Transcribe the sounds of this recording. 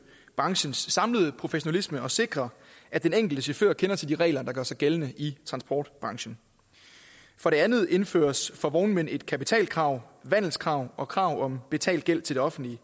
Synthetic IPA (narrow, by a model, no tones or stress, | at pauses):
b̥ʁɑ̈ŋɕənsːɑ̈mləð̞̩ˠpʰʁo̝feɕo̝nælisməɒ̽se̝ɡ̥ʁɐ | ʔæd̥eneŋ̰ɡ̥l̩d̥əɕofø̰ɐkʰenɐt͡sʰe̝ld̥iʁɛ̰ːlɐd̥ɑ̈ɡ̥ɶɐsɑ̈ɪɡ̥elənəʔit͡sʰʁɑ̈nsb̥ɒ̰ːd̥b̥ʁɑ̈ŋɕən̩ | fɒ̽ɾe̝ænð̞̩ˠe̝nfø̰ːɐsfɒ̽ʋɒʊn̩mene̝d̥kʰæpit͡sʰɛ̰ːl̚kʰʁɑ̈ʊ̰ʋæn̰l̩ˠskʰʁɑ̈ʊɒ̽kʰʁɑ̈ʊɒ̽mb̥e̝t͡sʰɛ̰ːld̥ɡ̥el̰t͡sʰe̝ld̥eɒ̽fn̩d̥li